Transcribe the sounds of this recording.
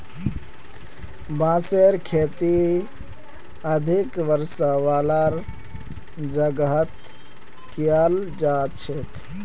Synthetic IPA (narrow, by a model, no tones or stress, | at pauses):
bãːseɾkʰeːt̪i | əd̪ʱikʋəɾsəʋaːlaɾ | d͡ʒəɡɦət̪ | kijald͡ʒaːt͡ʃʰek